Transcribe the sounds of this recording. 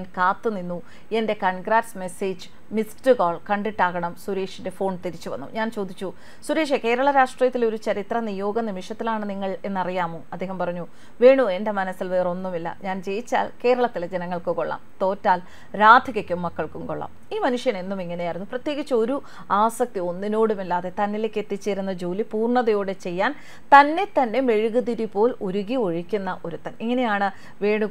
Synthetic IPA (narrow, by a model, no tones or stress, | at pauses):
nkaːt̪ːɨninːu | e̞nde̞kɐɳɡɾaːdsme̞seːd͡ʑɨ | misʈɨɡoːɭkɐɳɖiʈːaːɣɐɳɐmsuɾeːʂinde̞fo̞ːɳt̪iɾit͡ɕːuʋɐ̰nːṵɲaːnt͡ɕo̞ːd̪it͡ɕːu | suɾe̞ːʂeke̞ːɾɐɭɐɾaːʂʈrijɐt̪ːilo̞ɾut͡ɕɐɾit̪rɐnijo̞ːɡɐnimiʂɐt̪ːilaːɳɨniŋːɐɭe̞nːɐrijaːmuːɐd̪ːe̞ːɦɐmpɐrɐɲːu | ʋeːɳue̞nde̞mɐnɐsːilʋeːro̞nːumilːɐ̰ɲaːnt͡ɕe̞jit͡ɕːa̰ːlke̞ːɾɐɭɐt̪ːilɐd͡ʑenɐŋːɐɭkɨko̞ɭːa̰mt̪o̞ːtːaːl | ɾaːd̪ʱiɣɐkʲːumːɐkːɐɭkumkoɭːa̰m | iːmɐnuʂjɐne̞nːumiŋːɐnejaːjiɾunːuprɐt̪je̞ːɣit͡ɕːɨoɾu | aːsɐk̚t̪io̞nːino̞ːɽumilːaːðe̞t̪ɐnːile̞ːkːe̞t̪ːit͡ɕːeːɾunːɐd͡ʑo̞ːlipuːrɳɐðɐjo̞ːɽe̞t͡ɕe̞jːaːn | t̪ɐnːe̞t̪ɐnːe̞me̞ɻuɣuðiɾipo̞ːluɾuɣio̞ɻikʲːunːɐʔo̞ɾut̪ːɐniŋːɐne̞jaːɳɨ | ʋeːɳu